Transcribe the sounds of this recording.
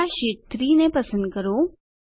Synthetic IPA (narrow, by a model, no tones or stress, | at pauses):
aʃeːt̪ɾinepɐsə̃nd̪̚kəɾo